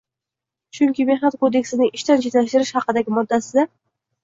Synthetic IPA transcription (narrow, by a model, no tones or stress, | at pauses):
t͡ʃʰʊŋkʲɪme̞hnat̪̚kʰod̪e̞kʲsɪnɪŋɪʃt̪ant͡ʃʰet̪laʃt̪ɪɾɪʃhɑqɨd̪aɡʲɪmɒd̪ːasɪd̪a